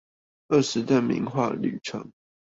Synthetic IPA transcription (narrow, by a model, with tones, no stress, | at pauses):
ə˥˩˨ʂɻ̩˨˦d̪ə˨mḭ˧˥nxwa̰˥˩ly̰˨˩ʈ͡ʂʰɤ̰˧˥˦ŋ